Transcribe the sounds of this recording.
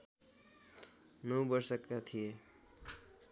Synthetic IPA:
nʌbʌɾsʌkːat̪ʰije

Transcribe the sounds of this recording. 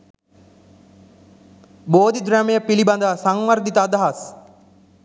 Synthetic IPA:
boːd̪id̪ɾamejəpilibɐnd̪asaŋʋɐɾd̪it̪əːd̪ɐɦɐs

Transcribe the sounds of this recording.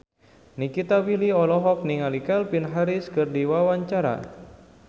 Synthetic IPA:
nikit̪awiliɔlɔɦɔk̚niŋalikɛlpinɦaɾiskɨrdiwawaɲt͡ʃaɾa̰

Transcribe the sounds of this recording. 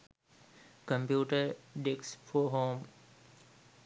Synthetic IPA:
kə̃mpjuːʈəɾɖeksfoːɦoːm

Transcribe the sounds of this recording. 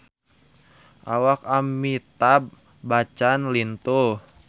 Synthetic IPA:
ʔawakamːit̪ab̚ | bat͡ʃanlint̪uh

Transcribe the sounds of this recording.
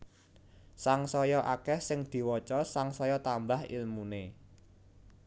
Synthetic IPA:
saŋsɔjɔʔakɛhsɪŋd̪̥i̤wɔt͡ʃɔsaŋsɔjɔt̪ambahḭlmune

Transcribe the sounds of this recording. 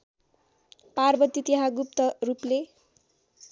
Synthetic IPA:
parbʌt̪it̪eɦãɡup̚t̪ʌruple

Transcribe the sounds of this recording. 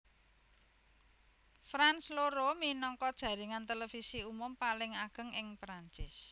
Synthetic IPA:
fɾansloɾominɔŋkɔd̥ʒ̥ä̤ɾiŋant̪elefisiumʊmpalɪŋaɡ̥ə̤ŋʔɪŋpɾaɲt͡ʃɪs

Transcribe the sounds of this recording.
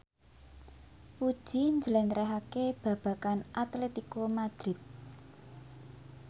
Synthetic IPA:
ud̥ʒ̥i̤ɲd͡ʒəlɛnt̪ɾɛɦakeb̥ä̤b̥ä̤kanʔat̪let̪ikomad̪̥ɾɪt̪̚

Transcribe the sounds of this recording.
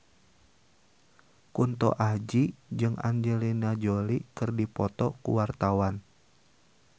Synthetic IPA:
kunt̪ɔ̰ʔahd͡ʒid͡ʒɨŋa̰ɲd͡ʒɛlinad͡ʒolikɨrdipɔt̪ɔkṵwart̪awan

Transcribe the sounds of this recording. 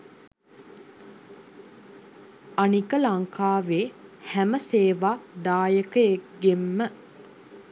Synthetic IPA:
anikəlaŋkaːʋeːhæməseːʋaːd̪aːjəkəjekɡemːə

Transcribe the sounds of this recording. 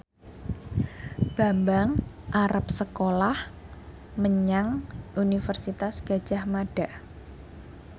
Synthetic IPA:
b̥a̤mbaŋ | ʔaɾap̚səkolah | məɲaŋʔunifərsit̪asɡ̥ḁʒ̥a̤hmaɖ̥aʔ

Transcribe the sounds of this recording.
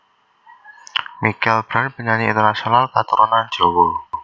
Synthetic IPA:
mikɛlb̥ɾanb̥ə̤ɲaniḭnt̪ərnasionalkat̪əɾʔonan̥d͡ʒowo

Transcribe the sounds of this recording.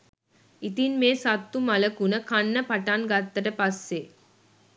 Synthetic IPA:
it̪inmeːsat̪ːumɐləkunəkanːəpaʈanɡat̪ːəʈəpasːe

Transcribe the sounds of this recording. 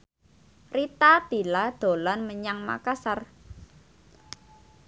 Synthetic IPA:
rit̪at̪ilad̪̥o̤lanməɲaŋma̰kasar

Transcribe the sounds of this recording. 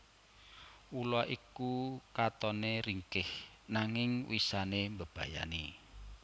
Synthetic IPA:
ulaʔikukat̪ɔneɾiŋkɪh | naŋɪŋwisanembəb̥a̤ja̰ni

